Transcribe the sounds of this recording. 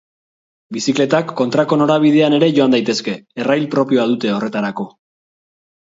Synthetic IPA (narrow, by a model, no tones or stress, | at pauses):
bisikle̞t̪akːo̞nt̪ɾako̞no̞ɾaβ̞ið̞e̞ane̞ɾe̞ʝo̞and̪ajt̪e̞ske̞ːrajlpɾo̞pio̞að̞ut̪e̞o̞re̞t̪aɾako̞